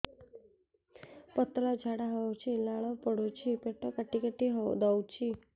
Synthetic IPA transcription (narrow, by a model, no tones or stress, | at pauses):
pət̪lɔd͡ʒʱaɽaɦɔwt͡ʃʰilaɭopəɽut͡ʃʰipeʈɔkəʈːikəʈːiɦɔd̪ɔwt͡ʃʰi